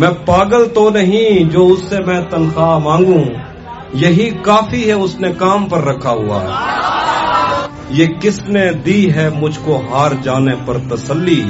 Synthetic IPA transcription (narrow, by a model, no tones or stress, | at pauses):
mɛ̃ːpaːɡəlt̪onɐɦĩd͡ʒoːʊsːemɛ̃ːt̪ɐnxaːmãːŋɡũ | jɐɦikaːfiɦɛʊsnekaːmpɐɾːɐkʰaɦʊ̰a̰ː | jeːkɪsned̪iːɦɛmʊd͡ʒʱkoɦaːɾd͡ʒaːnepɐɾt̪ɐsəlːiː